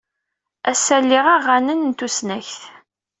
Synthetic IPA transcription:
æsælːɪʁaʁːanənnt̪usnæçθ

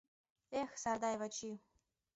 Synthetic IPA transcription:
exsard̪ajvat͡ʃʰiw

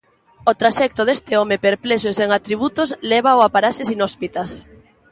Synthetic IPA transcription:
ot̪ɾaʃɛk̚t̪ʊðest̪ɪɔmepeɾplɛʃ̬ʊseŋat̪ɾiβ̞ut̪ʊslɛβ̞aoapaɾaʃɪsinɔspit̪as

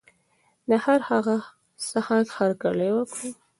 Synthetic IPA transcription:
d̪əhaɾhaɣa | sahakhaɾkaləjwəkɽu

